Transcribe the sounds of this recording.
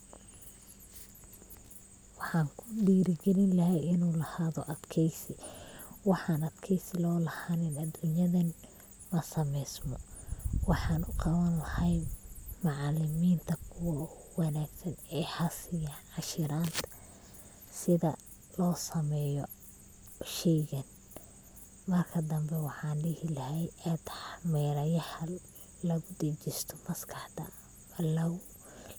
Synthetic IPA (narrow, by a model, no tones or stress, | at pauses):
wɑħɑːŋkʰʊ̥ɗiːɾɪɡɛlɪnlɐɦɛjɪnuːlɐhaːðɔʔɐd̪kʰɛjsɪwɑħɑːnɐd̪kʰɛjsɪlɔːlɐhaːnɪnɐd̪unjɐðɐn | mɐsɐmɛjsmɔwɑħɑːnʊqɑwɐnlɐhɐjmɑʕɑlɪmiːnt̪ʰɐkʰʊwɐwɑnaːɡsɐnɛːhɐsɪjanʕɑʃɪɾaːnt̪ʰɐ̥ | sɪðɐ̰ | lɔːsɐmɛjɔ | ʃɛjɣɐn | mɐrkʰɐd̪ɐmbɛwɑħɑːnɖɪhɪlɐhɛjɛd̪ħmɛːɾɐjɐhɐ | lɐɣʊd̪ɛt͡ʃɪst̪ʰɔmɐskʰɑħd̪ɐ̰ | ɐlɐw